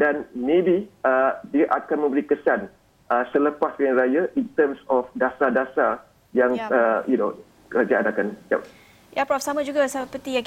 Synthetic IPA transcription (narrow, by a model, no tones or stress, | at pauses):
danmẽbiədiaʔakanmə̃mbəɾikəsan | ʔəsələpasjaŋɾajaʔint̪əmsɔfdasadasa | jaŋəjuno | kəɾad͡ʒaanakanja̰ | japɾɔfsamãd͡ʒuɡasəpət̪ijaŋ